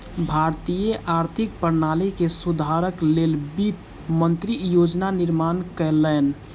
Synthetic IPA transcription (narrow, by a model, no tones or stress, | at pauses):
bʱaɾt̪ijəʔaɾt̪ʰik̚pəɾnalikesud̪ʱaɾəklelbit̪ | mənt̪ɾijod͡ʒnaniɾmankələn